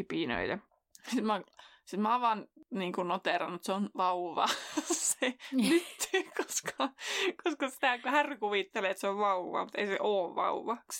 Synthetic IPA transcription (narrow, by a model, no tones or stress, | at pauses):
ipinø̰it̪ɑ | sit̪mɑsit̪mɑːʋʋɑnniːŋkunnot̪eˑrɑnut̪seonʋɑuʋɑ̰ːsenyt̪koskʰɑkoskɑsi̥t̪æˑkuhærkuʋit̪ːeleːt̪seoʋʋɑuʋːˑɑ̰ːmut̪eisḛʔoːʋʋɑ̰uʋˑɑːks